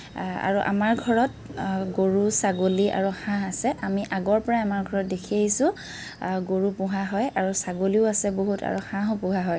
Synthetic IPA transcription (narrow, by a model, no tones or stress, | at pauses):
a̰ɹuʔa̰maɹɡʱɔɹɔt̚ | ɡoɹusaɡoliʔa̰ɹuxãasɛʔamiʔaɡɔɹpɔɹaamaɹɡʱɔɹɔt̚dekʰieɦisʊ̃ | ɡoɹupʊɦaɦɔjaɹusaɡoliʊasɛboɦuta̰ɹuxãɦɔpʊɦaɦɔj